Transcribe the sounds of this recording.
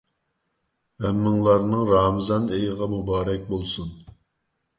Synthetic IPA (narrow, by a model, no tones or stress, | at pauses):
ɛmːɪŋlˠɑɾnɨŋɾɑːmɨzɑnejəʁɑmubɑːɾɛk̚ʲbolˠsun